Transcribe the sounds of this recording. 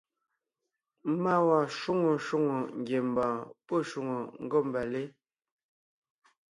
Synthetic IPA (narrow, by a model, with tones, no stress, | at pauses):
ma˦˨wa˨ʃu˦ŋo˨ʃu˦˨ŋo˨ŋ̩˨ɡje˨m˨bãː˨pə˦˨ʃu˦˨ŋo˨ŋ̩˦ɡo˦m̩˨ba˨le˦